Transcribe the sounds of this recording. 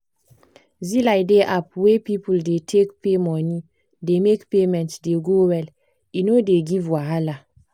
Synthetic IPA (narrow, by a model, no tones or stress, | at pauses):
zilajdeʔapwepipuldetʰekpemɔni | demekpemɛ̃ntdeɡowɛl | inodeɡivwaɦala